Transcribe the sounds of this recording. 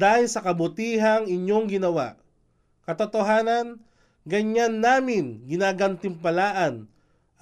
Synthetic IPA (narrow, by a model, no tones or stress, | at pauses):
ajsɐkɐbʊt̪iːɦɐŋɪɲjoŋɡɪnɐwa̰ʔ | kɐt̪ot̪oɦaːnɐn | ɡɐɲanːaːmɪnɡɪnaːɡɐnt̪ɪmpɐlaːʔɐn